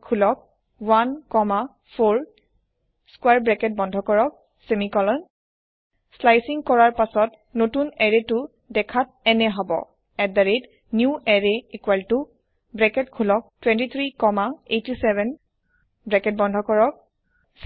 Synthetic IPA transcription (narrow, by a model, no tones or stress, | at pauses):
kʰulɔk̚ | wankɔma | pʰoɹ | skwaɹbɹɛkɛt̚bɔndʱɔkɔɹɔk̚ | semikɔlɔn | slajsiŋkɔɹaɹpasɔt | notunɛɹetʊ | dɛkʰat̚ | ɛnɛɦɔbɔ̰ | ɛk̚daɹet | njuʔɛɹɛikwaltu | bɹɛkɛtkʰulɔk̚twɛ̃ntit̪ʰɹikɔmaetisɛbɛn | bɹɛkɛt̚bɔndʱɔkɔɹɔk̚ | s